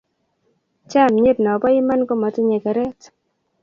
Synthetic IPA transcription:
t͡ʃa˦˨mɲe˦dnɔ˨bɔ˦ɪ˦ma˦nko˦ma˨tɪ˦ɲe˨kɛ˨ɾɛ˦t

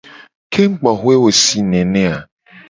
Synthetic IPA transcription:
kʰe˦ŋ͡m̩˦k͡pɔ˨ɦwe˦wo˨si˨˦nẽ˨nẽ˦a˨

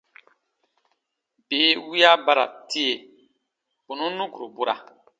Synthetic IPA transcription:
bi˨˦wi˦ja˦ba˦ɾa̰˨ti˦e˦˨ | bu˨nũ˦nũ˦ɡu˨ɾo˨bu˦ɾa̰˨

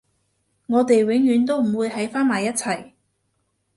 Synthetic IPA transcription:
ŋɔː˨˧t̪e˨jwɪ˨˥ŋjyː˨˥nt̪̬o˥wm̩˨˩wuː˨˧jhɐ˨˥jfaː˥nmaː˨jːɐ˥t̚t͡sʰɐ˨˩j

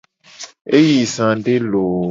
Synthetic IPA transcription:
e˦ji˨sã˨ɖe˦lo˨

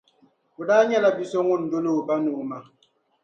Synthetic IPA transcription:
u˨da˦ɲɛ˦˨la˨bi˨sɔ˦ŋu˦˨n̩˨do˦no˦˨ba˦no˨ma˨

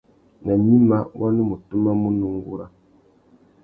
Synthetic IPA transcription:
na˨ɲi˦ma˦wʔa˦ni˦mu˨tu˦ma˦mu˦nu˦ŋ˦ɡu˦ɾa˦

